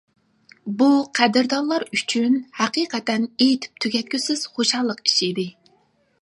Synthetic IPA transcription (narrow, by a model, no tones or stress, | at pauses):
buqʰæd̪ɪɾd̪ɑnlˠɑɾyt͡ʃʰynhæqiːqɛt̪ɛnejt̪ʰy̥p̚t̪ʰyɡʲɛt̪̚kʲysɪz̥χoʃɑlˠːəqi̥ʃid̪ɪ